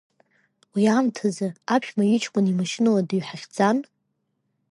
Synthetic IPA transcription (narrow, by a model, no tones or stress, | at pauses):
wiamtʰazɨapʰʃᶣmaɥit͡ʃʰʼkʷʼʊnimaʃɪnɨladɨɥħaχʲd͡zan